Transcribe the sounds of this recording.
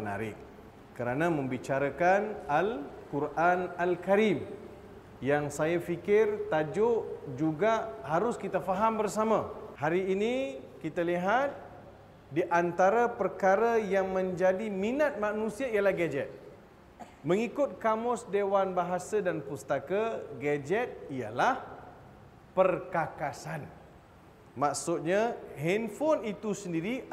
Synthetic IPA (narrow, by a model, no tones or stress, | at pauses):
na̰ɾɪ̰k̚ | kəɾanãmə̃mbit͡ʃaɾakanalkuɾʔanalkaɾim | jaŋsajafikɪrt̪ad͡ʒʊʔd͡ʒuɡaʔɦaɾʊskit̪afaɦambərsamãhaɾiːnikit̪aliɦat̪̚ | diʔant̪aɾapərkaɾajaŋmə̃ɲd͡ʒadiminat̪̚manũsiaijalahɡad͡ʒɛt̪̚ | məŋikʊt̪̚kamʊsdewanbaɦasadanpust̪akaɡad͡ʒɛt̪̚ija̰lah | pərkakasan | maksʊt̪̚ɲaɦɛnfɔnit̪usəndiɾi